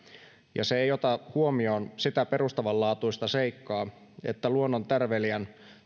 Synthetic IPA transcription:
jɑ̰seejo̞t̪ɑhuo̞mio̞ːnsit̪æpe̞rust̪ɑʋɑllːɑːt̪uist̪ɑse̞jkːɑː | e̞̰t̪ːæluonːont̪ærʋeliæn

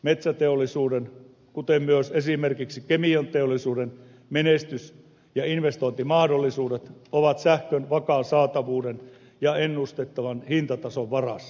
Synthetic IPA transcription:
met̪sæt̪eolːˑisuːden | kut̪emmyøsesimerkiksikemiont̪eolːˑisuːden | menest̪ys | jɑinʋest̪oint̪imɑhdolːˑisuːdet̪oʋɑt̪sæhkønʋɑkɑˑːnsɑːt̪ɑʋuːden | jɑenːust̪et̪ːɑʋɑnhint̪ɑt̪ɑsoʋʋɑrɑsː

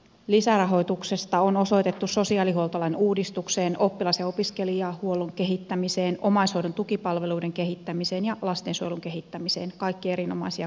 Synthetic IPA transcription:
lisærɑɦo̞jt̪ukse̞st̪ɑono̞so̞it̪e̞t̪ːusso̞siɑːlihuolt̪ɑlɑinuːdist̪ukseːno̞pːilɑseo̞piskeliɑːhuoloŋke̞ɦit̪ːæmiseːno̞mɑisowdont̪ukipɑlʋe̞luːdeŋke̞ɦit̪ːæmiseːnjɑlɑst̪eːnsuojluŋke̞ɦit̪ːæmiseːnkɑjkːie̞ɾino̞mɑisiɑ

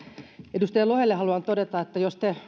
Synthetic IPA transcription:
edust̪ejɑlohelːehɑluɑnt̪odet̪ɑet̪ːæjost̪e

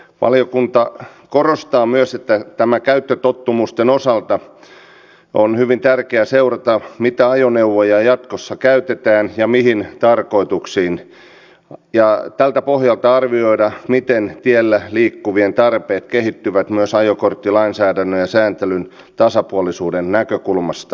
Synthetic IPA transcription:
ʋɑ̰liokunt̪ɑkorost̪ɑːmyøset̪ːæt̪æmækæyt̪ːøt̪ot̪ːumust̪enosɑlt̪ɑ | onhyʋint̪ærkeæseurɑt̪ɑmit̪æɑjoneuʋojɑjɑt̪kosːɑkæyt̪et̪æːnjɑmihint̪ɑrkoit̪uksiːn | jɑt̪ælt̪æpohjɑlt̪ɑɑrʋioidɑmit̪ent̪ielːæliːkːuʋient̪ɑrpeːt̪kehit̪ːyʋæt̪myøsɑjokort̪ːilɑinsæːdænːøjɑsæːnt̪elyn | t̪ɑsɑpuolisuːdennækøkulmɑst̪ɑ̥

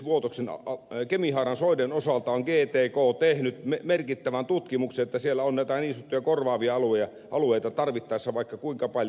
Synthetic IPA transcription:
ʋuot̪oksenɑkemihɑːrɑnsoˑidenosɑlt̪ɑoŋɡeːt̪eːkoːt̪ehnyt̪memerkit̪ːæʋænt̪ut̪kimukseet̪ːæsielːæonnæˑit̪æniːnsyt̪ːujɑkorʋɑːʋiɑɑluejɑ | ʔɑlueˑit̪ɑt̪ɑrʋit̪ːɑˑesːɑʋɑˑikːɑkuiŋkɑpɑl

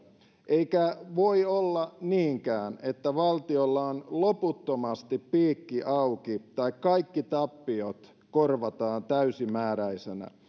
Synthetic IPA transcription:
ʔeikæʋoiolːɑniːŋkæːnet̪ːæʋɑlt̪iolːɑonloput̪ːomɑst̪ippiːkːiʔɑukit̪ɑikkɑikːit̪ɑpːiot̪ | korʋɑt̪ɑːnt̪æysimæːɾæisenæ̰

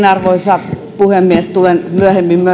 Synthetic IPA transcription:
nɑrʋoisɑ | puhemːiest̪ulenmyøhemːimmyø

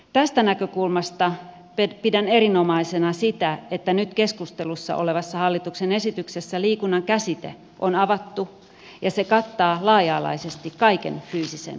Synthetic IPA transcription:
t̪æst̪ænækøkulmɑst̪ɑ | ppidænerinomɑisenɑsit̪æet̪ːænyt̪keskust̪elusːɑ̰ʔoleʋɑsːɑhɑlːit̪uksenesit̪yksesːæliːkunːɑŋkæsit̪ḛ | ʔonɑʋɑt̪ːu | jɑsekɑt̪ːɑːlɑːjɑːlɑ̰isest̪ikkɑikḛnfyːsisḛn

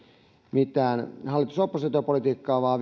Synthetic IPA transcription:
mit̪æːnhɑlːit̪usopːoset̪opolit̪iːkːɑːʋɑːʋ

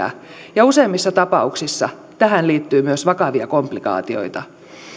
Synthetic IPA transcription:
æ̰ | jɑuseːmːisːɑt̪ɑpɑuksisːɑ̰ | t̪æɦhænliːt̪ːyːmyøsʋɑkɑʋiɑkomplikɑ̰ːt̪io̞̰it̪ɑ

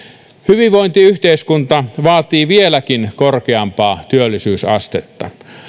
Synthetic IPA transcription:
hyʋiʋʋoint̪iyht̪eiskunt̪ɑʋɑːt̪iːʋielækinkorkeɑmpɑːt̪yølːˑisyːsɑ̰st̪et̪ːɑ̰

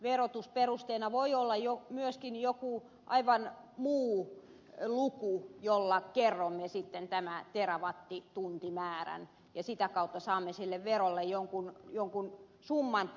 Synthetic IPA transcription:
ʋerot̪usperust̪einɑʋoiolːɑjjomyøskinjoku | ʔɑiʋɑnmuː | lukujolːɑkerːomːesit̪ːent̪æmæt̪erɑʋɑt̪ːit̪unt̪imæːræ̰n | jɑsit̪ækɑut̪ːɑsɑːmːesilːeʋʋerolːejjoŋkunjoŋkun | sumːɑn

